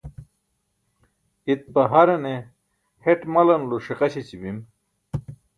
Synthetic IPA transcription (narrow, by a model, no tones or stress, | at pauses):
it̪̚pɐɦɐɾɐne | heʈmɐlɐnluʂiqɐɕet͡ɕibim